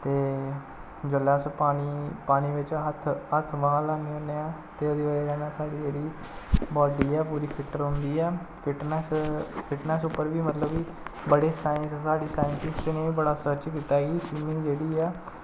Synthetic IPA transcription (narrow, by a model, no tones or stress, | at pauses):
t̪eː | d͡ʒəlaːspaːniːpaːniːʋɪt͡ʃɦət̪ʰɦət̪ʰʋãːlaːniːoneːaː | t̪eːod̪iːʋaɾeːd͡ʒɛːnãːsaːɖiːd͡ʒeːɽiː | bɔːɖiːɛːpuːɾiːpʰɪʈːəɾɦʊnd̪iːɛː | pʰɪʈnɛspʰɪʈnɛsʊpːəɾʋiːmət̪ləbiː | bəɽeːsaːɪ̃nsːsaːɖiːsaːɪ̃nsɪst̪enẽːʋiːbəɽaːsəɾt͡ʃkiːt̪aːɡiːʃɪmĩːd͡ʒeːɽiːɛː